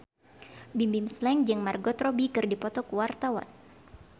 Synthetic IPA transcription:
bimbimslɛŋd͡ʒɨŋmarɡɔt̪rɔbikɨrdipɔt̪ɔkuwart̪awa̰n

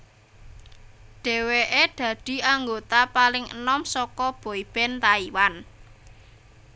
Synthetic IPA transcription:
ɖ̪̥e̤weʔeɖ̪̥ä̤d̪̥i̤aŋɡot̪apalɪŋə̰nɔmsɔkɔb̥o̤ib̥ɛnt̪aiwan

